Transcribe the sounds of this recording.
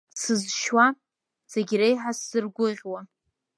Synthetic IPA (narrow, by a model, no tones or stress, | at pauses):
sɨzʃwa | seɡʲɾejħasːɨrɡʷʊʁʲwa